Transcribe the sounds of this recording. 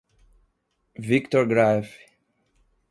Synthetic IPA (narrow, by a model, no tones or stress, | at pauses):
vikt̪ɔɹɡɾaf